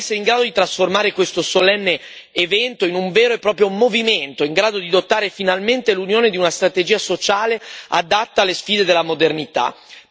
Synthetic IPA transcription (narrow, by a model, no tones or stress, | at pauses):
sːeɾeiŋɡɾaːd̪od̪it̪ɾasformaːɾekwest̪osolɛnːeː | vɛnt̪oinuɱveːɾoepːɾɔːpɾjomoviment̪oiŋɡɾaːd̪od̪id̪ot̪ːaːɾefinalment̪elunjoːned̪iunast̪ɾat̪ed͡ʒiːasot͡ʃaːlea̰d̪at̪ːaːlːesfiːd̪ed̪elamod̪ernit̪a̰